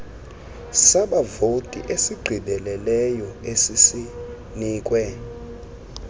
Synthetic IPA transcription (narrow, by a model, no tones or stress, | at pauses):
saɓavotʼiʔesiɡ͡ǃʱidʱɛlɛlɛjɔesisi | niːk̬ʼwɛ